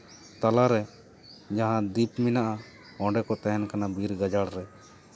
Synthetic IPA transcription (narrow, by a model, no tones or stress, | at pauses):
t̪alaɾɛ | d͡ʒaɦãd̪ipminaʔa | ɔ̃ɖɛkɔt̪ɛɦɛnkanabiɾɡad͡ʒaɽɾɛ